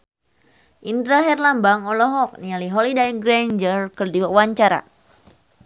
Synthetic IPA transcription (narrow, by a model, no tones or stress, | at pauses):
ʔind̪ɾaɦɛrlambaŋɔlɔɦɔk̚nialiɦɔlidajɡɾand͡ʒərkərdiwawaɲt͡ʃaɾa̰